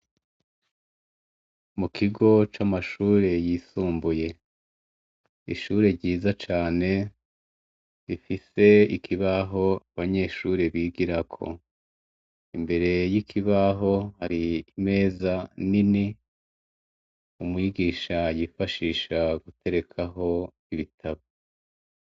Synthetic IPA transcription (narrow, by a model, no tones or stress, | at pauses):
mukʰiɡo̞t͡ʃamaʃuːɾe̞jiːsuːmbuje̞ | ḭʃuːɾe̞ɾɟiːzat͡ʃaːne̞ | ifise̞ikʰiβaɦo̞aβaɲe̞ʃuɾeβiːɡiɾakʰo̞̰ | imbe̞ɾe̞jikʰiβaɦo̞haɾiːme̞ːzanini | umuwiɡiːʃajifaʃiːʃaɡute̞ɾe̞kʰaɦo̞ | iβitʰaβo